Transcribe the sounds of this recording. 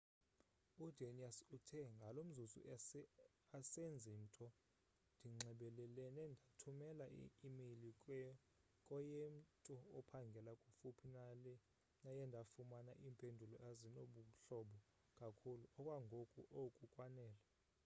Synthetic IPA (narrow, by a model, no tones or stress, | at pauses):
udʱeniasutʰɛŋɡʱalom̩zuzṵ | asend͡zʱim̩tʼɔ | ndʱiŋ͡ǀɛɓɛlɛlɛnɛndʱatʰumɛlaḭimilikʼɛ | kʼɔjem̩tʼuɔpʰaŋɡʱɛlakʼufupʰinalɛ | najɛndʱafumanaʔiːmpʼendʱulɔʔazinoɓuɬɔɓɔ | kʼakʰuluɔkʼwaŋɡʱokʼṵʔokʼukʼwanɛːla